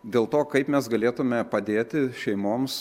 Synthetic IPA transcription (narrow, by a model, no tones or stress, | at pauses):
d̪ʲeːlˠt̪oːkɐɪpmʲɛsɡɐlʲeːt̪ʊmʲɛpɐd̪ʲeːt̪ʲɪʃʲɛɪmoːms